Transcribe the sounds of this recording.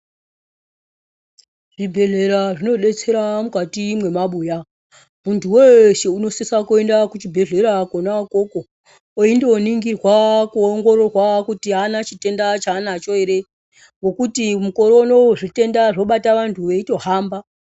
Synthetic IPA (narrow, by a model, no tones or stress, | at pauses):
ʐibʱe̞ɮe̞ɾaʐino̞ɗe̞t͡se̞ɾamukatimwe̞maɓuːja | muntʰuweʃeuno̞sesakue̞ndakut͡ʃibʱe̞ɮe̞ɾakonakoko | oindeoniŋɡirwakuoŋɡo̞ɾo̞rwakutianat͡ʃite̞ndat͡ʃaːnat͡ʃo̞eɾe | ŋɡokutimuko̞ɾo̞noʐite̞ndaʐo̞ɓataʋantʰuʋe̞ito̞ɦaːmba